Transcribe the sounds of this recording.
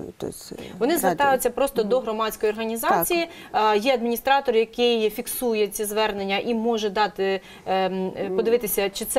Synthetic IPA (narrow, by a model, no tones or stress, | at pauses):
t̪ɔ̰ | ʋɔnɪzɐt̪ɑjʊt͡sʲːɐpɾɔst̪ɔd̪ɔɦɾɔmɑt͡sʲkɔjiɔrɦɐnʲizɑt͡sʲiji | jɛɐd̪minʲist̪ɾɑt̪ɔrjɐkɪjfʲiksujɛt͡sʲizʋɛrnenʲːɐʔimɔʒɛd̪ɑt̪ɪ | pɔd̪ɪʋɪt̪ɪsʲɐt͡ʃɪt̪sɛ